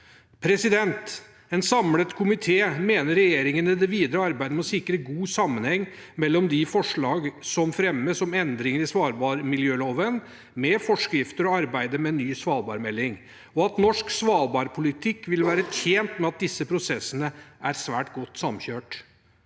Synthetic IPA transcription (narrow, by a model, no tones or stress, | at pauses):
pʰɾɛsɪd̪ɛnt̪ | ɛnsɑmlət̪kʰʊmɪt̪ʰeːmeːnəɾɛjeːɾɪŋənəd̪ɛʋiːd̪ɾəɑɾbæɪd̪əmɛɔsɪkɾəɡuːsɑmːənhɛŋː | mɛlːɔmd̪ɪfɔʂɭɑːɡsɔmfɾɛmːəsɔmɛnd̪ɾɪŋəɾɪsʋɑːɾbɑːɾmɪljøːloːʋən | mɛfɔʂkɾɪft̪əɾɔɑɾbæɪd̪əmɛnːyːsʋɑːlbɑ̰ːɾmɛlːɪŋ | ɔɑt̪nɔʂksʋɑːlbɑːɾpʰʊlɪt̪ʰɪkːʋɪlʋæːɾət̪ʰjeːnt̪mɛɑt̪̚d̪ɪsːəpʰɾʊsɛsːənəæɾsʋæːʈɡɔt̪ːsɑmçøːʈ